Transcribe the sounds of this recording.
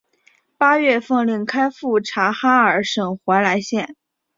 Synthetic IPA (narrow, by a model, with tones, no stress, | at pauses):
pa˥ɥɛ˥˧fɤ˥˧ŋli˧˥˩ŋkʰa˥ɪfu˥˩ʈ͡ʂʰa˧˥xa˥ə˞˨˩ʂɤ˨˩ŋxwa˧˥ɪla˧˥ɪɕjɛ˥˩n